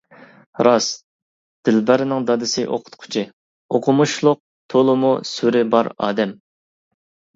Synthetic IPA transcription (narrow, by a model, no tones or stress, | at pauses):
ɾɑs | d̪̥ɪlbæɾɪnɪŋd̪ɑd̪ɨsɪʔo̰qʰʊ̥t̪qʰʊ̥t͡ʃʰi | oqʰʊmuʃlˠʊq̚ | t̪ʰolˠʊmusyɾɪbɑɾɑ̰ːd̪ɛm